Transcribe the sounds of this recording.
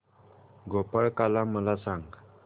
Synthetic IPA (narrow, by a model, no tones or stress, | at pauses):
ɡopəɭkalaməlasaŋɡ